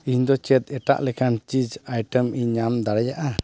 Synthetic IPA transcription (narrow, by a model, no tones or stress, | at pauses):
iɲd̪ɔt͡ʃɛt̪̚ɛʈa̰ʔlɛkʰant͡ʃid͡ʒajʈəmiɲamd̪aɽɛjaʔa